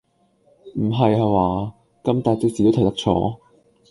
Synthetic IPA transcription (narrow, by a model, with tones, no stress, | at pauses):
m̩˨˩ɦɐ˨ja˧waː˨˩ | kɐ˥mt̪aː˨˩t͡sɪ˧k̚siː˨t̪o˥t̪ʰɐ˨˩jt̪ɐ˥k̚t͡ʃʰɔ̰ː˨˥